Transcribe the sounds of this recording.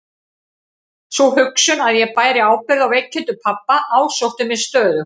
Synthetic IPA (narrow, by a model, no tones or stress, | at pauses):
svɔɦʏksʏnaðjɛɣpaːjɾɪaːwpɪɾðawvejcʰːɪnt̪ʏpʰapːaʔaːwsowht̪ɪmɪðst̪œːðʏ